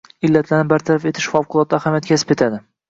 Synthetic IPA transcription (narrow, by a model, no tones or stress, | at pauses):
ɪlːat̪ʰlaɾnɪbaɾt̪ʰaɾafe̞t̪ʰɪ̥ʃfawqʊlˠɒt̪ːahamjat̪̚kʲʰasɪ̥pe̞t̪ʰad̪ɪ